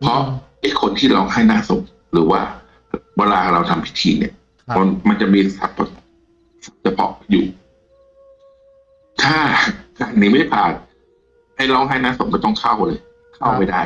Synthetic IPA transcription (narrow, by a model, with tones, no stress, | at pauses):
pʰɔ˦˥ʔa˧˥˩jkʰo˧nt̪ʰiː˥˩ɾɔ˧wŋɦa˥˩jnaː˥˩so˨˩˦ŋ | ɾɯː˩˦wa̰ː˥˩ | wɛː˧laː˧˨˩ɾa˧wt̪ʰa˧mpʰi̥˦˥t̪ʰiː˧nḭ˥˩ɐ | ma˧nma˧nt͡ɕa˨˩miː˧sa̰˨˩˦p̚ːɔ˨˩ | sa˨˩˦p̚t͡ɕa˨˧˩pʰɔ̰˦˥jṵː˨˩ | t̪ʰaː˥˩kaː˨˩nːiː˧˩ma˥˩˨pʰaː˨˩t̪̚ | ha˧˥˩jlɔː˧ɦa˥˩jnaː˥˩so˨˦ŋkaː˥˩t̪ɔ˥˩ŋkʰa˥˩wlɤː˧j | kʰa˥˩wpa˧˥˩jda˥˩j